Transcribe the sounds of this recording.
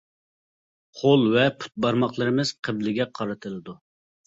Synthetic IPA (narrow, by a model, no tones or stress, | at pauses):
χʰolˠvɛpʰu̥t̪̚bɑɾmɑχlˠɨɾɨmɨz̥qʰəblɪɡʲɛqʰɑɾɨt̪ʰɨlˠɨd̪u